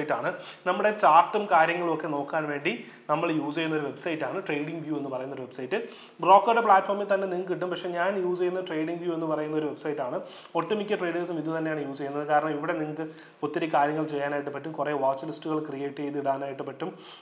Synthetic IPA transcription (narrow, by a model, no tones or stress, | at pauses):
jtːaːɳɨnɐmːuɽe̞t͡ɕaːrʈːɐmkaːɾjɐŋːɐɭokːe̞no̞ːkːaːnʋe̞ːɳɖi | nɐmːɐɭjuːd͡ʑejunːɐo̞ɾuʋe̞bsɐjtːaːɳɨʈrejɖiŋɡʋjuːenːupɐrɐjunːoɾuʋe̞bsɐjʈːɨ | bro̞ːkːɐɾɽepɭaːʈːformilt̪ɐnːe̞niŋːɐɭkɨiʈːumpɐkʂe̞ɲaːnjuːd͡ʑejːunːɐʈrejɽiŋɡʋjuːe̞nːɨpɐrɐjunːɐo̞ɾuʋe̞bsɐjʈːaːɳɨ | oʈːɐmikʲːɐʈrejɖɐɐsumiðɨt̪ɐnːejaːɳɨjuːd͡ʑejunːɐðɨkaːɾɐɳɐmiʋiɽe̞niŋːɐɭkːɨ | ot̪ːɐɾikːaːɾjɐŋːɐɭt͡ɕe̞jːaːnaːjiʈːɨpɐʈːumkureʋaːt͡ɕːɨlistːuɣɐɭkrijeːʈːɨejt̪iɽaːnaːjiʈːɨpɐʈːum